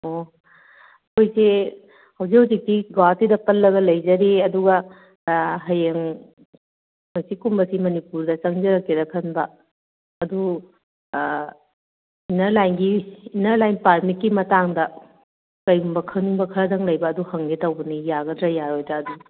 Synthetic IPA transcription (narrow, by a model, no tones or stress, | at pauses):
o | kojse | hɐwzikhuzik̚tiɡatidɐpɐlːɐɡɐlɐjd͡ʒɐɾiɐduɡɐ | ɦɐjeŋ | hojsikumbɐsimɐnipuɾdɐt͡ʃɐŋzɐɾɐkːedɐkʰɐnbɐː | du | inɐɾlajnɡiːnɐɾlajnpaɾmit̚kːimɐtaŋdɐ | kɐjɡumbɐkʰɐŋniŋbɐkʰɐɾɐdɐŋlɐjbɐːduhɐŋɡetɐwbɐnijaɡɐdɾɐjaɾojdɾɐːdu